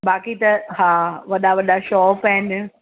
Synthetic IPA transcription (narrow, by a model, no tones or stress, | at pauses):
baːkit̪ɐɦãːʋɐɗaʋɐɗaʃɔːpɛːn